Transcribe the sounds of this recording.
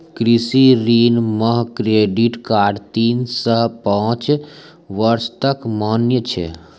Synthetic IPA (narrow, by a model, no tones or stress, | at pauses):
kɾɪsiɾiːnməɦkɾeːɖiʈkaːɖt̪iːnsəɦpãːt͡ʃ | ʋəɾst̪əkmaːnjət͡ʃʰɛ̰ː